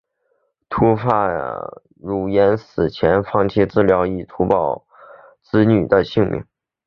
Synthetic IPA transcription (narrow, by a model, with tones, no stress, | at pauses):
t̪ʰu˥fa˥˩ | ɻu˨˩jɛ˧˥nsɹ̩˨˩t͡ɕʰjɛ˧˥nfɑ˥ŋt̪ʰjɛ˥ʈ͡ʂɻ̩˥˩ljɑ˧˥ʊi˥˩t̪ʰu˧˥pɑ˨˩ʊ | t͡sɹ̩˥ny˨˩d̪ə˦ɕi˥˧ŋmʔḭ˧˥ŋ